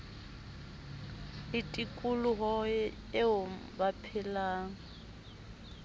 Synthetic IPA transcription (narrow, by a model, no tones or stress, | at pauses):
ɪtʼikʼulʊɦɔ | ɪʊbapʰɪlaːŋ̩